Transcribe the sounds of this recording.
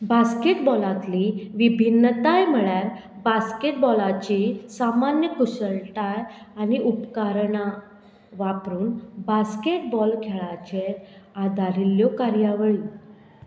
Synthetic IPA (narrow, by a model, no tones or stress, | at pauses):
baskeʈbɔlãt̪liʋibʱinːət̪ajm̤əɭjaɾ | baskeʈbɔlat͡ɕisamanjəkusəɭʈajañiʔupkaɾɳa | ʋapɾuːnbaskeʈbɔlkʰeɭat͡ɕeɾad̪ʱaɾiljɔkaɾjaʋəɭi